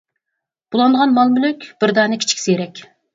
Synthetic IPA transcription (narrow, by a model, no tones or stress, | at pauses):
b̥ulˠɑnd̪ʁɑnmɑlˠmylykʲb̥ɪɾd̪ɑnɪkʲi̥t͡ʃʰkʲi̥sejɾɛkʲ